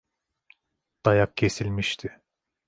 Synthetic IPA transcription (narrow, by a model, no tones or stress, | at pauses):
d̪̥ajak̚cʰe̞silʲmiʃt̪ʰɪ